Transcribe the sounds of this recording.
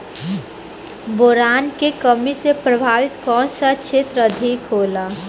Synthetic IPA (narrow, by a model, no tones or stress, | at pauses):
boːɾaːnkekəmisepɾəbʱaːʋɪt̪kɔːnsat͡ʃʰeːt̪ɾəd̪ʱikɦoːla